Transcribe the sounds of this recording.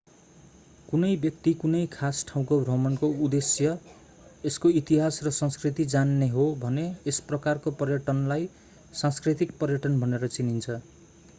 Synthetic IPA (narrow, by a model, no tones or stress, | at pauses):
kunʌjbjʌk̚t̪ikunʌjkʰasʈʰaw̃kobʱrʌmʌnkoud̪esjʌ | eskoit̪iɦasrʌsʌ̃nskrit̪id͡zanːeɦobʱʌneːsprʌkarkopʌrjʌʈʌnlaj | sãskrit̪ik̚pʌrjʌʈʌnbʱʌneɾʌt͡sinint͡sʰʌ